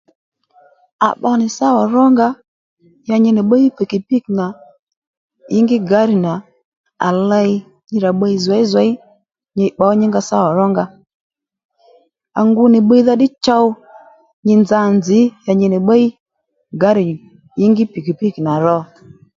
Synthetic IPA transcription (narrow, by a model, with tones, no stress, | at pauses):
a̰˨ɓɔ˧nɪ˨sa˦wɔ˨ɾɔ˦ŋɡa˦ | ja˧ɲɪ˧nɪ˨ɓa˦ji˦pi˨ki˨pi˦˨kna˨ | jɪ˦ŋɡɪ˦ɡa˨˦ɾi˨na˨ | a̰˨la˧i˧˦ | ɲɪ˧ɾa˨ɓə˧i˧zɛ˨˦i˦za˨˦i˦ | ɲɪ˧ɓa˨˦ɲɪ˦ŋɡa˧sa˦wɔ˨ɾɔ˦ŋɡa˧ | a̰˨ŋɡu˧nɪ˨ɓə˦i˦ða˦ɗɪ˦t͡ʃɔ˦w | ɲɪ˧nd͡za˧˦˨nd͡zɪ˨˦ja˨ɲɪ˧nɪ˨ɓa˦i˦ | ɡa˨˦ɾɪ˨ | jɪ˦ŋɡɪ˦pi˨ki˨pi˦˨kna˨ɾɔ˦